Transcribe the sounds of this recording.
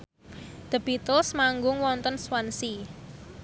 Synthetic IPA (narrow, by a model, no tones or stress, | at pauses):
d̪̥ə̤b̥it̪ʊlsmaŋɡʊŋwɔnt̪ɔnswansi